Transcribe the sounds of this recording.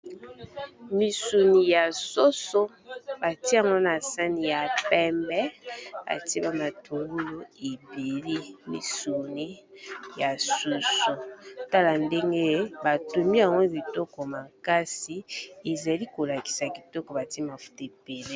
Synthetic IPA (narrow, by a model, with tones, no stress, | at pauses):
mi˨su˨ni˨ja˨so˦so˦ | ba˨ti˦a˨ŋɡɔ˦na˨sa˦ni˨ja˨pɛ˦mbɛ˦ba̰˨ti˦ba˦ma˨tʰu˨ɡu˦lo˦e˨be˨li˦mḭ˨su˨ni˦ja˨su˨su˦ta˦la˨nde˦ŋɡe˦ba˨tu˨mi˦a˨ŋɡɔ˦˨bi˨tɔ˦kɔ˨ma˨ka˦si˨e˨za˨li˦ko˨la˨ki̥˨sa˨ki˨tɔ˦kɔ˨ba˨ti˦ma˨fu̥˦te˨pe˨le˦